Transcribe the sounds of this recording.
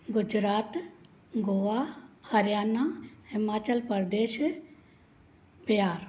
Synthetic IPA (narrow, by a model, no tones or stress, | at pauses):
ɡʊd͡ʒɾaːt̪ | ɡoʋahɐɾjaːnahɪmaːt͡ʃəlpəɾd̪eːʃ | pijaːɾ